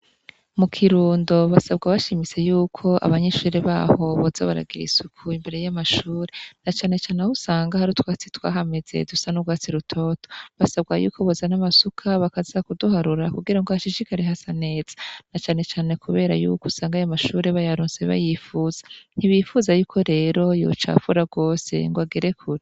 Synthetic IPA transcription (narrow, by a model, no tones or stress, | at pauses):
mukʰiɾuːndo̞βasabɡaβaʃimit͡se̞juːkʰo̞ʔa̰βaɲeʃuːɾeβa̰ːho̞βozaβaɾa̰ɡḭɾḭsukʰuimbe̞ɾe̞jamaʃuːɾe̞nat͡ʃaːne̞t͡ʃaːnehusaːŋɡahaɾutwaːt͡sitwa̰ːɦame̞z̥e̞̰dusanuɡwaːt͡siɾutʰo̞ːto̥βasaβɡajṵːkʰo̞βozanamasukʰaβakazakuduhaɾuɾakuɡiɾaŋɡohaʃiʃikaɾeɦasane̞ːz̥ḁnat͡ʃaːne̞t͡ʃaːne̞kuβe̞ːɾa̰jṵkusaːŋɡajomaʃuːɾeβajaɾuːnseβa̰jifuːz̥ḁn̥iβifuzajuːkʰo̞ɾe̞ːɾo̞jo̰t͡ʃa̰fuɾaɡo̞ːse̞̰ŋɡwaɡiɾe̞kʰuɾi